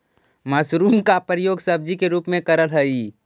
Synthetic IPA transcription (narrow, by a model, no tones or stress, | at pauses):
mɐsɾuːmkapɾəjoːɡsɐb̚d͡ʒikeɾuːpmẽkəɾəlɦəi